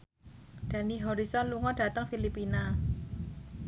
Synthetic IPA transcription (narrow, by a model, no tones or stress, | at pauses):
d̪̥ä̤niɦɔɾisɔnluŋɔɖ̥a̤t̪əŋfilipina